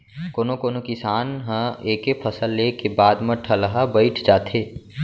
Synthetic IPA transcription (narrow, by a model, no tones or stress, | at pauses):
koːnokoːnokɪsaːnɦə̃eːkepʰɐsəlːeːkebaːd̪mɐʈʰɐləɦabɐɪʈʰd͡ʒaːt̪ʰeː